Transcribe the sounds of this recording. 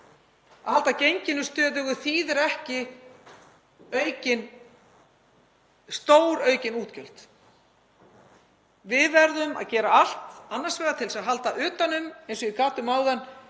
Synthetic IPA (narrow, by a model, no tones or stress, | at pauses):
ahalt̪acejɲcɪnʏst̪œːðʏɣʏθiːðɛɾɛhcɪ | œːɥcɪn | st̪oːwɾœːɥcɪnuːt̪cœl̥t̪ | vɪðvɛɾðʏma̰ðcɛːɾaal̥t̪anːaɾ̥svɛːɣðat̪ʰɪlsaðɦal̪t̪aʔʏːt̪anːʏmejnsɔɪkʰaːt̪ʏmaːwðan